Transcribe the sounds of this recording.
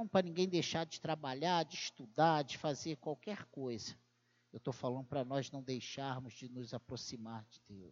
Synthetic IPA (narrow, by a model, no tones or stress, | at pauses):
ɐ̃w̃pɾɐnĩɡẽj̃d̪ejʃaɾd͡ʒɪt̪ɾabaʎaɾd͡ʒɪiʃt̪ud̪aɾd͡ʒɪfazeɾkwawkɛɾkojzɐ | ewt̪owfalɐ̃nd̪ʊpɾɐnɔznɐ̃w̃d̪ejʃaɾmʊzd͡ʒɪnʊzapɾosimaɾd͡ʒɪd̪ewʊ